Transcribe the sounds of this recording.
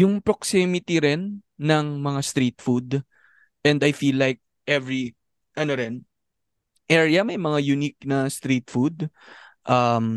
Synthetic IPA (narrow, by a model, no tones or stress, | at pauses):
jʊŋpɾoksɛmɪt̪iɾɛnː | ɐŋmɐŋast̪ɾit̪̚fud̪ | ʔɛ̃nd̪ɐjfilːajk̚ | ʔɛvɹi | ʔɐnoɾɛn | ʔɛɹjɐmɐjmɐŋajʊnik̚nɐst̪ɾit̪fud̪̚ʔɐm